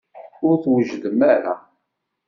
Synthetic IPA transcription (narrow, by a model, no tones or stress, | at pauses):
ʊɾθwəʒd̪əmæɾa̰